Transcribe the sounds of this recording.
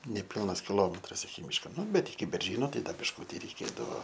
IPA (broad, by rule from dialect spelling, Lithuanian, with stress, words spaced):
nʲɛˈpʲɪlˠnɐs kʲɪˈlˠoːmʲɛtrɐs ɪkʲɪ ˈmʲiːʃkoː ˈnʊ ˈbʲɛt ɪkʲɪ bʲɛrʲˈʒʲiːnoː ˈtɐɪ ˈdɐ bʲɪʃˈkʊtʲɪ rʲɛɪˈkʲeːdɐʋoː